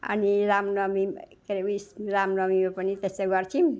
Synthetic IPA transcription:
ə̰niɾamnɔmimkeɾeʋisɾamnɔmimepənit̪eseɡʌɾt͡ʃʰim

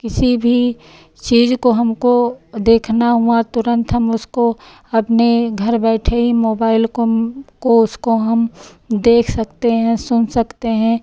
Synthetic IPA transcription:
kɪsibʱi | t͡ʃiːzkoɦɐmkod̪eːkʰnaɦuat̪ʊɾə̃nt̪ɦɐmʊsko | ɐpneɡʱɐɾbɛːʈʰeimoːbaːɪlkkoʊskoɦɐm | d̪eːkʰsɐkt̪eɦɛ̃sʊnsɐkt̪eɦɛ̃ː

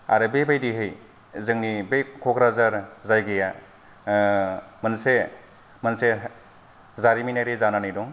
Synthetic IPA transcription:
a̰ɾɯbebajdiɦɯj | zɯŋnibekʰɔɡɾazaɾzajɡɯja | mənse | mɐnse | zaɾiminajɾezananɯjdɔŋ

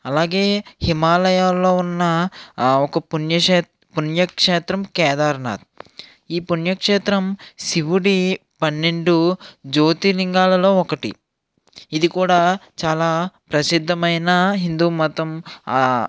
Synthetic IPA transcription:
ɐlaːɡe̞ːhimaːlɐjaːlːo̞ːunːɐ | ɔkɐpunjɐʂeː | punjɐkʂeːt̪ɾɐmkɛːd̪aːɾna̰ːd̪̚ | iːpunjɐkʂeːt̪ɾɐmsiʋuɽipɐnːeɳɖud͡ʒoːt̪iliŋɡaːlɐlo̞ːɔkɐʈḭ | id̪ikuːɽaːt͡ʃaːlaːpɾɐsid̪ʱːɐmɐjnɐɦind̪uːmɐt̪ɐm

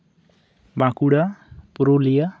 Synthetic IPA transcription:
bãkuɽapuɾolija

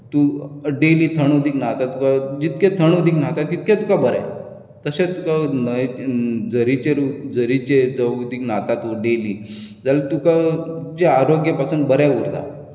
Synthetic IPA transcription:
t̪uɖeliːt̪ʰəɳud̪ʱiːknat̪at̪ukad͡ʑit̪kẽt̪ʰəɳ̃ud̪ʱiːknaɦt̪at̪it̪̚kat̪ukabəɾja̰ | t̪əɕet̪ukanə | d͡zəɾit͡ɕeɾud͡zəɾit͡ɕed͡zəud̪iːknat̪at̪uɖelid͡zalət̪ukad͡ʑeaɾoɡjəpasunbəɾjauɾd̪a̰

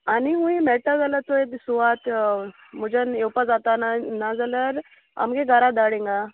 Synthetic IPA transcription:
aniɦũimɛʈad͡zalət̪oed̪suʋat̪ | mud͡ʑanewpad͡zat̪ananad͡zaləɾ | a̰mɡeɡaɾad̪aɽẽŋɡa

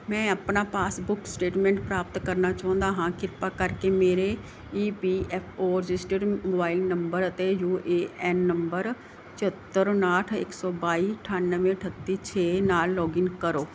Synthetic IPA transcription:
mɛ̃ːəpnaːpaːsbʊksʈeːʈmɛ̃ːɳʈpɾaːpət̪kəɾnaːt͡ʃaːʊ̃nd̪aːɦãːkɪɾpaːkəɾkeːmeːɾeː | iːpiːɛːpʰoːɾɪd͡ʒɪsʈəɖmoːbaːilnəmbəɾət̪eːjuːʔeːɛːnːəmbəɾ | t͡ʃət̪ːəɾnaːʈʰɪ̰ksɔːbaːiːʈʰaːnːəʋẽːʈʰət̪ːiːt͡ʃʰeːnaːlːɔːɡɪŋkəɾoː

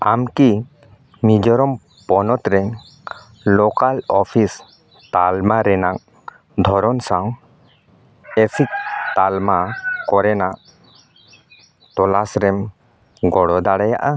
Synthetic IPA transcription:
amki | mid͡ʒɔɾɔm | pɔnɔt̪ɾɛŋ | lɔkalɔpʰis | t̪almaɾɛnak̚ | d̪ʱɔɾɔnsaw | ɛsik̚t̪almakɔɾɛnaʔ | t̪ɔlasɾɛm | ɡɔɽɔd̪aɽaja̰ʔa

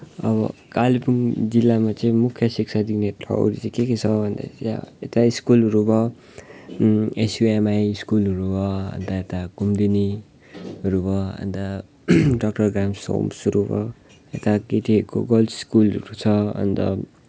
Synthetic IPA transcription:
ʌ̰bʌ̰kalipuŋd͡zilːamat͡sʌĩmukʰːjʌsik̚sʰad̪inet̪ʰʌ̰o̰ɾiʌĩkeket͡sʰʌbʱʌnd̪a̰et̪aiskulʌɾubʌ | esjuemajiskulʌɾubʌʌ̰nt̪aet̪akumd̪ini | ɦʌɾubʌɦʌ̰nt̪a | ɖʌk̚ʈʌrɡramso̰msuɾubʌ̰ | et̪aket̪iʌɾko̰ɡʌlskulʌɾut͡sʰʌɦʌ̰nt̪ʌ̰

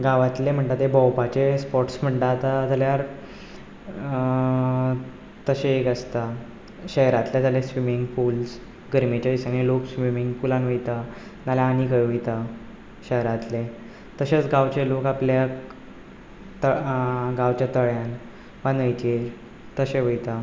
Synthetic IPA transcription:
ɡaʋãt̪lem̤əɳt̪at̪ebɔwpat͡ɕespɔʈsm̤əɳʈ̪at̪at̪əljaɾ | t̪əɕeːkəst̪a | ɕəɦɾat̪let̪alesʋimiŋɡfuls | ɡəɾmet͡ɕaisãŋɡĩloksʋimiŋɡpulãnʋəjt̪a | nalaanikəjʋəjt̪a | ɕəɦɾat̪le | t̪əɕet͡sɡawt͡ɕelokaplja | t̪əɡawt͡ɕjat̪əɭjan | ʋãnəjt͡ɕe | t̪əɕeʋəjt̪a

